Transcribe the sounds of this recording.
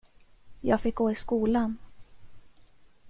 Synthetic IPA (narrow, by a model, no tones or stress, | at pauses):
jɑːɡfɪk̚ɡoːɪskuːlan